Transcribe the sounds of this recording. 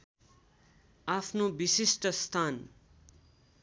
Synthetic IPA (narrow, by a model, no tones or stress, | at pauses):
apʰnobisisʈʌst̪ʰan